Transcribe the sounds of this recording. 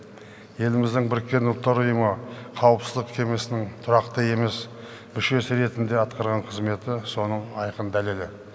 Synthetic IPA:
je̞lɪmɪzd̪ɪŋbɪɾkʲːe̞nʊlˠt̪ːɑɾʊjəməqʰɑwəpsə̥zd̪əqkʲʰe̞me̞sɪnɪŋt̪ʰʊɾɑqt̪əje̞me̞s | mʏʃe̞sɪɾe̞t̪ɪnd̪e̞ɑt̪qɑɾʁɑɴqʰəzme̞t̪ɪso̞nəɴɑjqənd̪æle̞lɪ

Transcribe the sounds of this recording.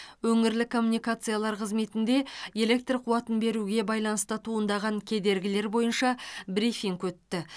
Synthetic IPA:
wɵŋɪɾlɪkʰo̞mːunijkat̪sɨjalˠɑɾqʰəzme̞t̪ɪnd̪e̞je̞le̞k̚t̪rqʰuɑt̪ənbe̞ɾuɡʲe̞bɑjlˠɑnəst̪ət̪ʰuənd̪ɑʁɑŋkʲʰe̞d̪e̞ɾɡʲɪle̞ɾbo̞jənʃɑbɾifiŋkwɵt̪ːɪ

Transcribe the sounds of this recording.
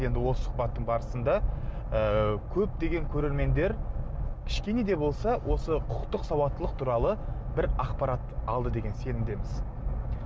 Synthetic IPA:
je̞nd̪ɪwo̞sə̥sʊ̥qbɑt̪ːəɴbɑɾəsənd̪ɑ | əkʲʰɵp̚d̪e̞ɡʲe̞ŋkʲʰɵɾe̞ɾme̞nd̪e̞ɾkʲʰɪ̥ʃkʲe̞ne̞d̪e̞bo̞lˠsɑwʔo̞səqʰʊ̥qt̪əqsɑwɑt̪ːəlˠəq̚t̪ʰuɾɑlˠəbɪɾɑqpɑɾɑt̪ɑlˠd̪əd̪e̞ɡʲe̞nse̞nɪmd̪e̞mɪz

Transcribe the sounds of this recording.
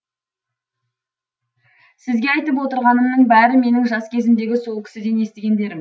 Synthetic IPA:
sɪzɡʲe̞ɑjt̪əp̬wo̞t̪əɾʁɑnəmnənbæɾɪme̞nɪŋʒɑskʲʰe̞zɪmd̪e̞ɡʲɪso̞lˠkʲɪ̥sɪd̪e̞nje̞st̪eɡʲe̞nd̪e̞ɾɪm

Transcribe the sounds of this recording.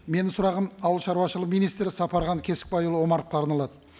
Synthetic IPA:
me̞nɪŋsʊɾɑʁəmɑwəlˠʃɑɾwɑʃəlˠəqmijnijst̪ɾɪsɑpɑɾʁɑŋkʲʰe̞sɪ̥k̚bɑjulˠəwo̞mɑɾq̪̚q̪ːɑɾnɑlˠɑd̪ə

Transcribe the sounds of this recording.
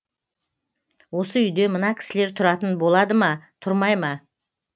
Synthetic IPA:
wo̞səʏjd̪e̞mənɑkʲʰɪ̥sɪle̞ɾt̪ʰʊɾɑt̪ənbo̞lˠɑd̪əmɑt̪ʰʊɾmɑjmɑ

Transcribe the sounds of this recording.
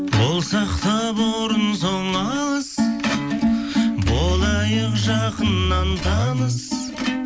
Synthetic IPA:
wolˠsɑqt̪ɑboɾənsoɴɑlˠəz̥ | bolˠɑjəqʒɑqənːɑnt̪ʰɑlˠəz

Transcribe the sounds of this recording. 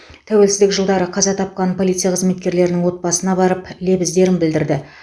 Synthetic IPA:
t̪ʰæwe̞lsɪzd̪ɪkʒəlˠd̪ɑɾəqʰɑzɑt̪ʰɑp̚qɑnpʰo̞lˠijt̪sijaqʰəzme̞t̪kʲe̞ɾle̞ɾɪnɪŋwo̞t̪̚bɑsənɑbɑɾəple̞bɪzd̪e̞ɾɪmbɪld̪ɪɾd̪ɪ

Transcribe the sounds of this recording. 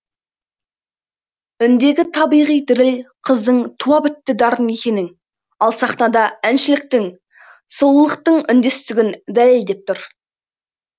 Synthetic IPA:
ʏnd̪e̞ɡʲɪt̪ʰɑbijʁijd̪ɪɾɪlqʰəzd̪əɴt̪ʰuɑbɪt̪ːɪd̪ɑɾəne̞kʲe̞nɪŋ | ɑlˠsɑχnɑd̪ɑænʃɪlɪk̚t̪ɪŋ | səlˠlˠəqt̪əɴʏnd̪e̞st̪ɪɡʲɪnd̪æleld̪e̞p̚t̪ʊɾ

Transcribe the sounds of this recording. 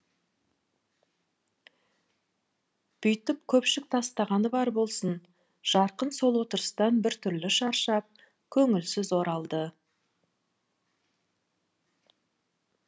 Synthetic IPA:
b̥ʏjt̪ɪp̚kʲʰɵpʃɪk̚t̪ʰɑst̪ɑʁɑnəbɑɾbo̞lˠsən | ʒ̥ɑɾqənso̞lˠwo̞t̪əɾəst̪ɑnbɪɾt̪ʰʏɾlɪʃɑɾʃɑp̚ | kʲʰɵŋɪlsɪzwo̞ɾɑlˠd̪ə

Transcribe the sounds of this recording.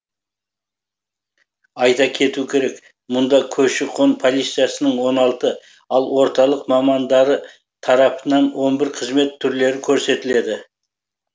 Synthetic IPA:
ɑjt̪ɑkʲʰe̞t̪ukʲʰe̞ɾe̞k | mʊnd̪ɑkʲʰɵʃɪqʰo̞npʰo̞lˠijt̪sɨjasənəɴwo̞nɑlˠt̪ə | ɑlˠwo̞ɾt̪ɑlˠəqmɑmɑnd̪ɑɾə | t̪ʰɑɾɑpənɑnwo̞nbɪɾqʰəzme̞t̪ʰːʏɾle̞ɾɪkʲʰɵɾse̞t̪ɪle̞d̪ɪ

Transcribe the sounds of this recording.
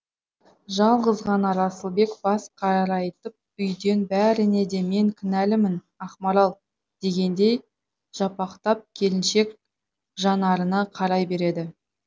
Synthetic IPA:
ʒɑlˠʁəzʁɑnɑɾɑsəlˠbe̞kbɑsqʰɑɾɾɑjt̪əp̚ʏjd̪e̞nbæɾɪne̞d̪e̞me̞ŋkʲʰɪnælɪmɪn | ɑχmɑɾɑlˠ | d̪̥e̞ɡʲe̞nd̪e̞j | ʒ̥ɑpɑqt̪ɑp̚kʲʰe̞lɪnʃe̞k | ʒɑnɑɾənɑqʰɑɾɑjbe̞ɾe̞d̪ɪ

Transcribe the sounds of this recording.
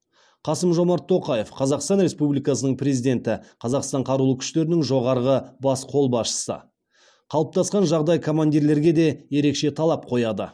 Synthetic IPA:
qʰɑsəmʒo̞mɑɾt̪ʰːo̞qɑje̞fqʰɑzɑqst̪ɑnɾe̞spublijkɑsənəɴpre̞zijd̪e̞nt̪ɪqʰɑzɑqst̪ɑɴqʰɑɾulˠəkʲʰʏ̥ʃt̪e̞ɾɪnɪŋʒo̞ʁɑɾʁəbɑsqʰo̞lˠbɑsʃə̥sə̰ | qʰɑlˠəp̚t̪ʰɑsqɑnʒɑʁd̪ɑjkʰo̞mand̪iɾle̞ɾɡʲe̞d̪e̞je̞ɾe̞kʃe̞t̪ʰɑlˠɑp̚qʰo̞jɑd̪ə̰

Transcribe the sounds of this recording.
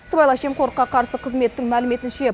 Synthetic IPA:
səbɑjlˠɑʃemqʰoɾəqːɑqʰɑɾsəqʰəzme̞t̪ːɪŋmælɪme̞t̪ɪnʃe̞

